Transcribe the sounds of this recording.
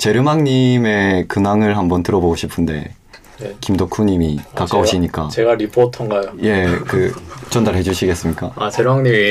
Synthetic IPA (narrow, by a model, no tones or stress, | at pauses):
t͡ɕe̞ɾɯmaŋɲime̞kɯnaŋɯɭɦambʌntɯɾʌboɡoɕʰipʰɯnde̞̰ | kimdokʰuɲimikakk͈aoɕʰiɲik͈at͡ɕeɡaɾipʰotʰʌŋɡajoje̞kɯt͡ɕʌndaɾɦe̞d͡ʑuɕʰiɡe̞s͈ɯmɲik͈aat͡ɕe̞ɾɯmaŋɲim